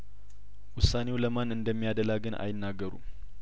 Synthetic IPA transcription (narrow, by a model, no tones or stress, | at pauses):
wʊsane̞wləmanɨnd̪əmːijad̪əlaɡɨnʔa̰jɪnːaɡːəɾṵ